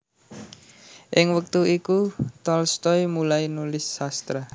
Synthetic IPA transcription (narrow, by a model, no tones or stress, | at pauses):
ʔɪŋwək̚t̪uikut̪ɔlst̪ɔjmulajnulɪsːast̪ɾa